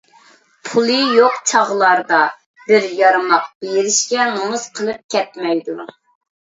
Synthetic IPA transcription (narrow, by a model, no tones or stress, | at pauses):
pʰulˠɨjoqt͡ʃʰɑʁlˠɑɾd̪ɑ | bɪɾjɑɾɨmɑq̚b̥ejɪɾɪʃkʲɛmomuz̥qʰəlˠɨp̚kʲʰɛt̪̚mɛjd̪u